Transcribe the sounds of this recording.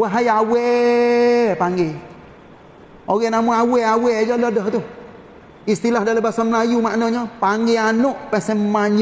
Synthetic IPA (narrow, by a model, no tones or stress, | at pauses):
waɦajawɛ | paŋe | oɣɛnamuaweawɛd͡ʒɔlɔdɔht̪u | ist̪ilahdaləbasamlajumaʔnɔɲɔpaŋɡeanoʔpɛsɛmaɲ